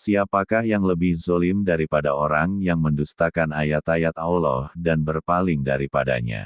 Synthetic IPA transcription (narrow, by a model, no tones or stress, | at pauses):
siapakahjaŋləbɪhzolɪmdaɾipadaoɾaŋjaŋməndust̪akanajat̪ajat̪aulɔhdanbərpalɪŋdaɾipada̰ɲa̰